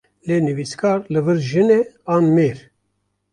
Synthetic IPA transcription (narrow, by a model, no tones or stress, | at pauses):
leːnɨviskʰɑːɾlɨvɨɾʒɨneɑːnmeːɾ